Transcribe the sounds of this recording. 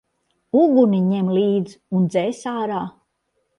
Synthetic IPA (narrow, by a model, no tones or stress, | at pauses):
uɡuniɲɛmliːd̪z | und̪zɛːsaːɾaː